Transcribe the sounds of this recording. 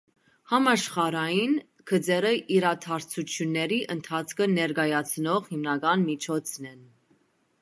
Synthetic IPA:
hɑmɑʃχɑɾɑjin | kʰəd͡zɛɾəʔiɾɑt̪ʰɑɾt͡sʰut͡sʰjunːɛɾiʔənt̪ʰɑt͡sʰkʰənɛɾɡɑjɑt͡sʰnɔʁhimnɑɡɑnmit͡ʃʰɔt͡sʰnɛn

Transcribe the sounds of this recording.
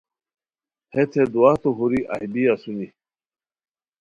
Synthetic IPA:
het̪ʰed̪uwaːt̪oɦuɾiʔa̰hbiasuni

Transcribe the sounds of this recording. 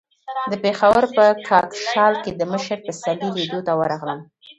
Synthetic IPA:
d̪əpexawəɾpəkʰɑkʃɑlked̪əməʃəɾpəsaliled̪ot̪awəɾɑɣləm

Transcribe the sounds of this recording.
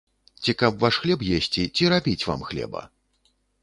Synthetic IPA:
t͡sʲikɐpvaʂxlʲɛp̬jesʲt͡sʲit͡sʲiɾabʲit͡sʲva̰mxlʲɛ̰bɐ̰

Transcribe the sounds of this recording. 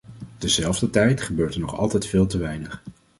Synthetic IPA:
d̥əzɛlˠvdətɛjtχəbøːɹtənɔχɑ̰lˠtɛjtfɪːlˠtəʋɛjnəχ

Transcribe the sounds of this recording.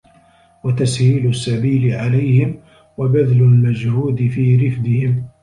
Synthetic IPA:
wat̪ashiːlʊsːabiːlɪʕalajhɪm | wabad̪lʊlmad͡ʒhuːd̪ɪfiːɾɪfd̪ɪhɪm

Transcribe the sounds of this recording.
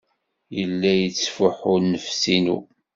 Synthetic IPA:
jəlːæjət͡sːfʊħʊɾnəfsinṵ

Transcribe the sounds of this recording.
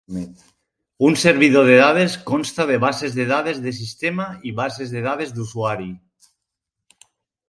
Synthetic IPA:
unseɾβ̞iðoð̞eðaðeskonst̪aðeβ̞asezðeðaðezðes̬ist̪emaiβasezðeð̞aðezðusuaɾi

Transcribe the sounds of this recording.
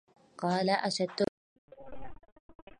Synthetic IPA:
qɑːlaʔaʃad̪ːʊ

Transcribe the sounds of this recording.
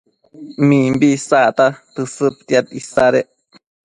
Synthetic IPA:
mĩmbisat̪at̪ɨsɨp̚t̪jat̪isaɾeʔ

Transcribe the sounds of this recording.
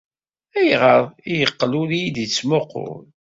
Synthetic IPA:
æjʁəɾˤijəqːlulijid̪it͡sːmoqʊ̰ɾl

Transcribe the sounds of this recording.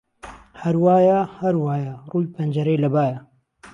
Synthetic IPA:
hɐɾwaːjaːhɐɾwaːjaːruːjpʰɐnd͡ʒɐɾeːlɐbaːja

